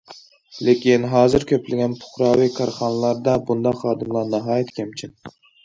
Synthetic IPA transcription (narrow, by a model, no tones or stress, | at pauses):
lekʲinɦɑːzɨɾkʲʰøplɪɡʲɛnpʰʊ̥χɾɑːwikʰɑɾχɑnɨlˠɑɾd̪ɑbund̪ɑqχɑːd̪ɨmlˠɑɾnɑɦɑːjɛt̪kʲʰɛmt͡ʃʰin